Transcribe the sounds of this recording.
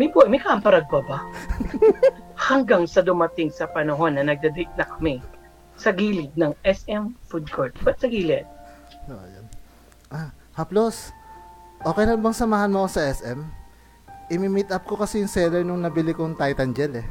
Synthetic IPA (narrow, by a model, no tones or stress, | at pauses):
mɐjbumɐjkaɐmpɐɾɐɡ̚bɐbɐ | hɐŋɡaŋsɐd̪ʊmɐt̪ɪŋsɐpɐnɐɦo̞nːɐnɐɡ̚d̪ɐd̪ɛɪt̪̚nɐkɐ̥mɛ | sɐɡiːlɪɡ̪̚nɐŋʔɛsɛmfud̪̚kʰoɹt̪̚bɐt̪̚sɐɡiːlɛt̪̚ | o̰jon | ʔa | hɐplo̞s | ʔo̞ːkɛjlɐnbɐŋsɐmaːhɐnmoʔkosɐʔɛsʔɛm | ʔɪmimit̪ʔɐp̚ko̞kɐsɛjʊŋsɛːlɛɹnʊŋnɐbɪlɪkoŋt̪ajt̪ɐnd͡ʒɛlɛ